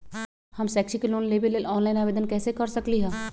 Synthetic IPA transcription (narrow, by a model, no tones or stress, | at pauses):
hɐmsɛːkʃikeloːnleːbelelɔːnlaːɪnaːʋeːd̪ənkɛːsekɐɾsɐkliɦɛ̃ː